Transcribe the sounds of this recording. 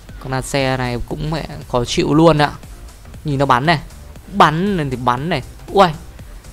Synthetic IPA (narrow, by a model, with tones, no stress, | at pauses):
kɔ˨˧˩naː˧sɛ˧na˨˩jkʊ̰˧˥ŋ͡mmɛ̰˧˨kɔ˨˦t͡ɕḭ˧˨əwlu˧ənʔa̰ː˧˦ | ɲi˨˩nːɔ˨˦ɓa˨˦nːa˨˩j | ɓa˨˩˦nə˨˩t̪i˨˩ɓa˨˦nːa˨˩jʔwə˧j